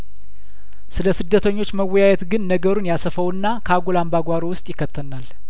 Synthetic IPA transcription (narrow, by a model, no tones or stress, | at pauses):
sɨləsɨd̪ːət̪ʰəɲːo̞t͡ʃːməwːɔjajɛt̪ɡɨnːəɡəɾunjasəfəwɨnːakʰəaɡolambaɡʷaɾowʊst̪ʼjɪkʰːət̪ʰːənal